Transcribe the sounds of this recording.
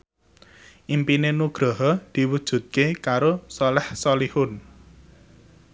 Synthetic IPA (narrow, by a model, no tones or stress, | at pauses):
ʔimpinenuɡ̥ɾɔɦɔd̪̥i̤wud̥ʒ̥ṳt̪̚kekaɾosɔlɛhsɔlihʊn